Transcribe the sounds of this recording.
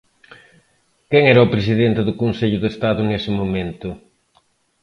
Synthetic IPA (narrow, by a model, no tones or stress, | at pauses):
keŋɛɾɐʊpɾesiðent̪ɪðʊkonseʎʊðest̪aðʊŋesɪmomẽnt̪ʊ